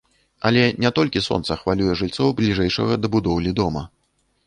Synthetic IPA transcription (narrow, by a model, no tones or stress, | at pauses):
ɐlʲɛnʲɛt̪ɔlʲkʲisɔ̰nt̪sɐxvalʲujɛʐɨlʲt̪sɔwblʲiʐɛjʂɐ̰ɣɐd̪ɐbud̪ɔwlʲid̪ɔmɐ